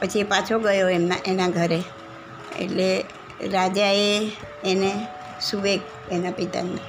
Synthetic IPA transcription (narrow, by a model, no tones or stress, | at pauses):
pət͡ʃʰiepat͡ʃʰoɡəjoemnaʔenaɡʱəɾe | ḛʈle | ɾad͡ʒaeː | ne | suʋek̚ | enapit̪a̰ne